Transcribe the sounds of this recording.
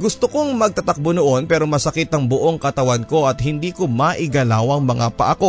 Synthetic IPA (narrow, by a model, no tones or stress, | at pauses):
ɡʊst̪okoŋmɐɡ̚t̪ɐt̪ɐk̚bonʊʔo̞npɛːɾo̞mɐsɐkɪt̪ɐŋbʊʔoŋkɐt̪ɐwɐnko̞ʔɐt̪̚hɪnd̪iːkomɐʔɪɡɐlaːwɐŋmɐŋapɐʔɐko̞